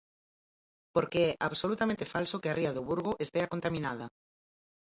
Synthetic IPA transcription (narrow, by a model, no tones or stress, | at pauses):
poɾkeɛʔaβsolut̪amẽnt̪efalsokearʔiaðoβuɾɣoʔest̪eakont̪amĩnað̞a